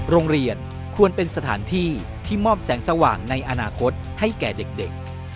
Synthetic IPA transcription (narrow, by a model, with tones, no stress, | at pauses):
ɾoː˧ŋɾi˧ən | kʰu˧ənpe˧nsa˧t̪ʰa̰ː˩˦nt̪ʰiː˥˩ | t̪ʰiː˥˩mɔː˥˩p̚sɛː˩˦ŋsa˧waː˨˩ŋna˧jʔa˧naː˧kʰo˦˥t̪̚ha˥˩jkɛː˨˩de˨˩k̚de˨˩k̚